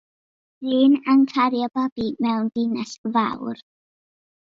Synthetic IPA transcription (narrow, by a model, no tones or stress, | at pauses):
ɨːnankʰaɾjɔbab̥imɛwndɪnɛsva̰wr